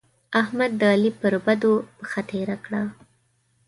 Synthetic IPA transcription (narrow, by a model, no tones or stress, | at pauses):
ahmad̪ːlipəɾbad̪opəxat̪eɾakɽa